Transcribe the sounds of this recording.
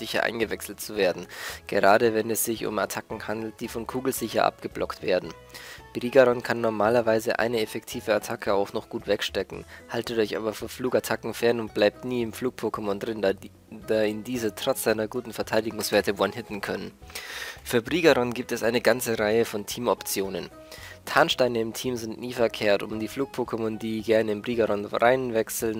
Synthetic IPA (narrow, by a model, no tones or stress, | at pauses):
z̥ɪçɐ̰ʔa̰ɪnɡəvɛksl̩tt͡suveːɐdn̩ɡ̥ə̰ʁaːdəvɛnɛsz̥ɪçʊ̰ma̰tʰakŋ̩handl̩t̚d̥iːfɔnkʰuːɡl̩z̥ɪçɐ̰ʔa̰p̚ɡ̥əblɔktv̥eːɐdn̩ | b̥ʁiːɡaʁɔnkʰanːɔɐmaːlɐvaɪzəʔa̰ɪnəɛfɛktʰiːvəatʰakʰəaʊxnɔχɡ̥uːtv̥ɛkʃtɛkŋ̩haltətɔʏçʔa̰ːbɐfyːɐfluːkatʰakŋ̩fɛɐnʊnt̚b̥laɪp̚tniːɪmfluːk̚pʰokəmɔndʁɪn | d̥aːɪndiːzətʁ̥ɔt͡sz̥aɪnɐɡuːtn̩fɛɐtʰaɪdɪɡʊŋsv̥eːɐtəvanhɪtn̩kʰœnən | fyːɐbʁiːɡaʁɔnɡiːp̚tɛsʔaɪnəɡant͡səʁaɪəfɔntʰiːmɔpt͡sjoːnən | tʰaːnʃtaɪnəɪmtʰiːmzɪntniːfɛɐkʰeːɐtʊ̰mdiːfluːk̚pʰoːkemɔndiːɡɛɐnəɪnbʁiːɡaʁɔnʁaɪnvɛksl̩n